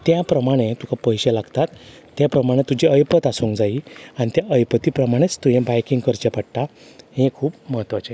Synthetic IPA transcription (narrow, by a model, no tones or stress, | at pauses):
t̪japɾəmaɽ̃et̪ukʰapəjɕɛlaɡt̪at̪ː | japɾəmaɽ̃et̪ːud͡ʑiəjpət̪asuŋkd͡zaiaɽ̃it̪jaʔəjpət̪ipɾəmaɽ̃et͡st̪ujẽbajkĩŋɡkəɾt͡ɕepəɽʈ̪a | hẽkʰuːpməɦət̪ːʋat͡ɕe